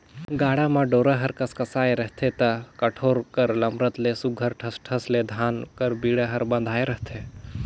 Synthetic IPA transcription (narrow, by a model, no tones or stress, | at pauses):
ɡaːɽamãɖoːɾaɦɐɾkɐskɐsaːeɾɐɦt̪ʰet̪ɐkɐʈʰoːɾkəɾlɐmɾət̪lesuɡʱəɾʈʰɐsʈʰɐsled̪ʱaːnkɐɾbiːɽaɦɐɾbɐ̃nd̪ʱaːeɾɐɦt̪ʰe